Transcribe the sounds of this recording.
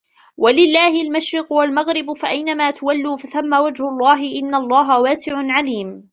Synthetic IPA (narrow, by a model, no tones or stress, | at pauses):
walɪlːaːhɪlmaʃɾɪqʊwalmaɣɾɪbfaʔajnamaːt̪ʊwalːuːfaθamːaːwad͡ʒhʊlˤːɑːɦɪʔɪnːalˤːɑːɦawaːsɪʕʊnʕaliːm